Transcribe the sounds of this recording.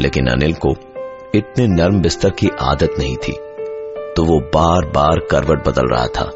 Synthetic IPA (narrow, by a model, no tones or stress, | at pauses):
lʔḛːkɪnɐ̰nɪlko | ɪt̪nenɐɾmbɪst̪əɾkiʔa̰ːd̪ət̪nɐɦĩt̪ʰḭː | t̪oːʋobaːɾbaːɾkɐɾʋəʈ̚bɐd̪ə̰lɾɐ̰ɦa̰t̪ʰa̰ː